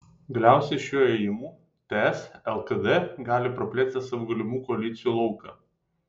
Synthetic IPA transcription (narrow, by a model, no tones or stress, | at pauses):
ɡɐlʲæˑʊsʲɛɪʃʲuːeːjɪmuː | t̪ʲeɛsɛlˠk̪ɐd̪ɛɡɑːlʲɪpɾɐpʲlʲeːsʲt̪ʲɪsɐʋʊːɡɐlʲɪmuːkɔɐlʲɪt̪sʲɪjuːlˠɒʊkɑ̰ː